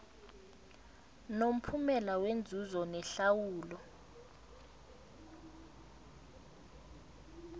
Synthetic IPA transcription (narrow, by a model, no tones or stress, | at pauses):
nom̩pʰumɛlawend͡zʱuzɔnɛɬawuːlɔ